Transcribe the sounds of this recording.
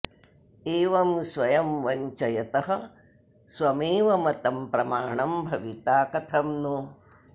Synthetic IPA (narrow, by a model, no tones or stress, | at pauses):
eːʋɐmsʋɐjɐmʋɐɲt͡ʃɐjɐt̪ɐɦɐ | sʋɐmeːʋɐmɐt̪ɐmpɾɐmaːɳɐmbʱɐʋit̪aːkɐt̪ʰɐmnu